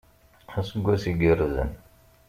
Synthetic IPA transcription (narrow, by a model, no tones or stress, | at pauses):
æsəɡʷːæsiɡəɾzə̰n